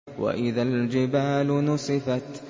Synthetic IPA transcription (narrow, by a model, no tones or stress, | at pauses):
wa̰ʔɪðald͡ʒɪbaːlʊnʊsˤɨfat̪